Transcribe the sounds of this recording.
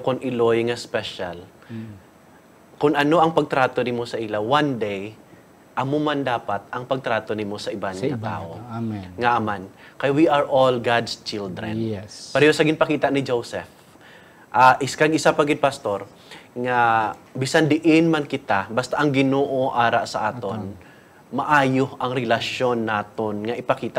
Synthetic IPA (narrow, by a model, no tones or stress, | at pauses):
kʊŋʔɪlojŋɐspɛʃa̰l | kʊŋɐno̞ʔɐŋpɐɡ̚t̪ɾaːt̪o̞nɪmo̞sɐʔɪlawand̪ej | ʔɐmomand̪aːpat̪̚ɐŋpɐɡ̚t̪ɾaːt̪o̞nɪmo̞sɐʔɪbanŋɐt̪a̰ːʔoŋɐʔɐmankɐjawiʔaɹʔolɡad̪st͡ʃɪld̪ɾɛ̰nppɐɾɛosɐɡɪnpɐkiːt̪aʔnɪd͡ʒowsɛ̰f | ʔaʔɪskaɡʔɪsapɐɡɪd̪̚pɐst̪o̞ɾ | ŋabɪsand̪ɪʔɪnmankɪt̪abast̪aʔɐŋɡɪnoːʔo̞ʔaːɾaʔsɐʔaːt̪o̞n | mɐʔaːjohʔɐŋɾɛlɐʃo̞nːaːt̪onŋɐʔɪpɐkiːt̪a